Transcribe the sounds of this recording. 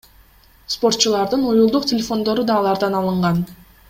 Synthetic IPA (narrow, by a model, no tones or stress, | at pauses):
spo̞rt̪̚t͡ʃulˠɑɾd̪ɯnujulˠd̪uqtʲɪlʲefo̞nd̪o̞ɾud̪ɑːlˠɑɾd̪ɑnɑlˠɯɴʁɑn